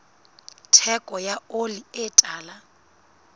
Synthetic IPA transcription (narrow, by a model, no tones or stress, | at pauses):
tʰɛkʼɔjaoliɪtʼaːla